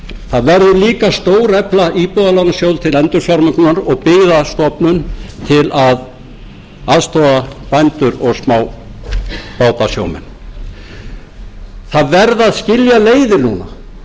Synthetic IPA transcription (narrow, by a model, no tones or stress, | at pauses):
θaðvɛɾðʏliːkast̪oːwɾɛplaʔipɔðalawnasjowlt̪ʰɪlɛnt̪ʏɾ̥fjaɾmʏknaɾɔɣpɪɣðast̪ɔpnʏnt̪ʰɪlʔað | aðst̪ʰɔapajnt̪ʏɾɔɣsmaːw | paːwt̪asjo̰ːwmɛ̰n | θaðvɛɾðaðscɪljaleːjðɪɾnuːna